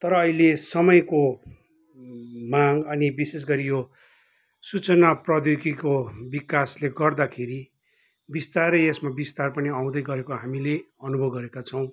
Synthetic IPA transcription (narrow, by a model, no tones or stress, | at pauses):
t̪ʌɾʌːɦilesʌmʌjko | maŋʌnibises̬ɡʌɾijo | sut͡sʌnaprʌd̪jokikobikasleɡʌrd̪akʰeɾi | bist̪arʌesmabist̪arpʌniaw̃d̪ʌjɡʌɾekoɦamileʌnubʱʌbɡʌɾekat͡sʰʌ̃w̃